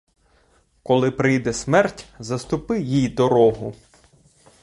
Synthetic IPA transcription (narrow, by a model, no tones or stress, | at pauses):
kɔlˠɪpɾɪjd̪ɛsmɛrtʲzɐst̪ʊpɪwjijd̪ɔɾɔɦʊ